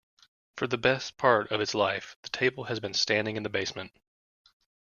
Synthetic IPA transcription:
fə˞ðɨbɛspʰɑɹɾʌvɨtslaɪfðɨtʰeɪbl̩ˠɨzbɨ̃nstæ̃ndɪ̃ŋɨ̃nðɨbeɪsmɨ̃nt

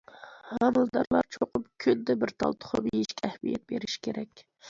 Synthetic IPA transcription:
hɑmɨlˠd̪ɑɾlˠɑɾt͡ʃʰoqʊpkʲʰønd̪ɛbɪɾt̪ʰɑ̰lˠt̪ʰʊ̥χʰobijiʃkʲʰɛhmijɛ̰t̪̚beɾɪʃkʲʰeɾɛkʲ

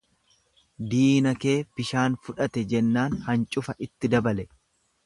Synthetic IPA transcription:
d̪iːnɐke̞ːbɪʃaːnfʊᶑɐt̪ɛd͡ʒɛnːaːnhɐnt͡ʃʼʊfɐʔɪt̪ːɪd̪ɐbɐlɛ

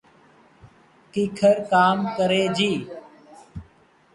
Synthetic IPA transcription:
kiːkʰəɾkaːmkəɾeːd͡ʒiː

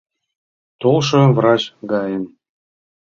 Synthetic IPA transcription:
t̪olˠʃɤ̆vɾɑt͡ɕɡɑjəm

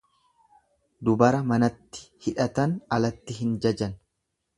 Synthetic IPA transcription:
d̪ʊbɐɾɐmɐnɐt̪ːɪ̥hɪᶑɐt̪ɐnɐlɐt̪ːɪɦɪnd͡ʒɐd͡ʒɐn

